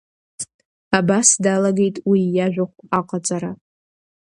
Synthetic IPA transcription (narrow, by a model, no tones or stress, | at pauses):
abasdalaɡe̞jtʼwijaʒʷᶣaχʷaqʼat͡sʼaɾa